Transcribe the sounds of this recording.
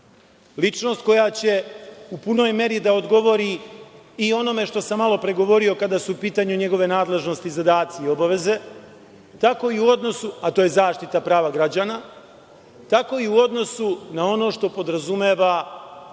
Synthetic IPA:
lit͡ʂno̞st̪̚ko̞jat͡ɕe̞upuno̞jme̞ɾid̪ao̞d̪ɡo̞ʋo̞ɾi | io̞no̞me̞ʃt̪o̞samːalˠo̞pɾe̞ɡo̞ʋo̞ɾio̞kad̪aːsuupiːt̪aːɲuɲe̞ɡo̞ʋe̞naːd̪le̞ʒno̞st̪izad̪aːt̪siio̞baʋe̞ze̞ | t̪ako̞iuo̞d̪no̞suat̪oːje̞zaːʃt̪it̪apɾaːʋaɡɾad͡ʑaːna | t̪ako̞iuo̞d̪no̞sunao̞no̞ːʃt̪o̞po̞d̪ɾazumeːʋa

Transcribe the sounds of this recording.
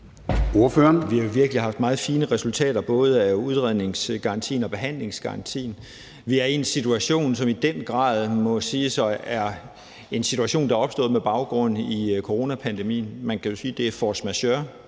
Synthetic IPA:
o̝ɐføːɐnʋihɑjo̝ʋiɐɡ̥əlihɑ̈fd̥̚mɑ̈ːð̞̩ˠfiːnəʁɛsult͡sʰɛ̰ːɾ̥ɐb̥ɔ̽ːð̞ˠəæuð̞ˠʁɛð̰ˠne̝ŋsɡ̥ɑ̈ɑ̈nt͡sʰḭːnɒ̽b̥e̝ɦæn̰le̝ŋsɡ̥ɑ̈ɑ̈nt͡sʰḭːn̩ | ʋiæɐiensit͡sʰuæɕo̝̰ːnsɒ̽mid̥enɡ̥ʁɑ̰̈ːð̞ˠmɒ̽siːsɒæɐ | e̝nsit͡sʰuæɕo̝̰ːnd̥ɑ̈ɐɒb̥sd̥ɔ̰̽ːð̩ˠmeb̥ɑ̈ʊɡ̥ʁɔ̽n̰ikʰoʁo̝ːnæpʰænd̥e̝mḭːn̩mænkʰæjo̝siːd̥e̝æɐfɒsmæɕøɐ

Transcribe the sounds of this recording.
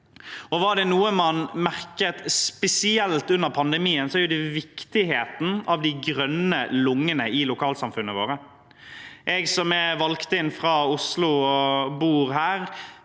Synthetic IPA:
ɔʋɑɖ̪ɛnuːəmɑnmæʁkət̪spɛsɪɛlt̪ʉnːəɾpʰɑnd̪ɛmiːənsɔæɾjʊd̪ɛʋɪkt̪ɪheːt̪n̩ɑʋd̪ɪɡɾœnəlʊŋːənəɪlʊkʰɑːlsɑmfʉnːəʋoːɾə | ʔɛɡsɔmɛʋɑlkt̪əɪnfɾɑʊslʊɔbuːɾɦæːɾ

